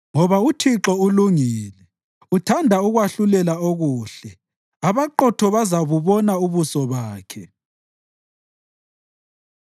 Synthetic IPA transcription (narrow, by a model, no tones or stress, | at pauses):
ŋɔβautʰiǁɔuluŋiːlɛ | utʰandʱauɣwaɬulɛlaoɣuːɬɛ | aβaǃɔtʰɔβazaβuβɔnauβusɔβaːkʰɛ